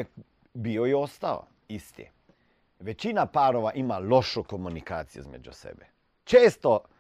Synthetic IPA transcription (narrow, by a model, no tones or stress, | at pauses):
biojɛost̪alo̰ | ist̪ḭ | ʋet͡ɕinapaːɾoʋaʔimaloʃokomunikaːt̪sijḛizmḛd͡ʒṵsḛbe | t͡ʃeːst̪o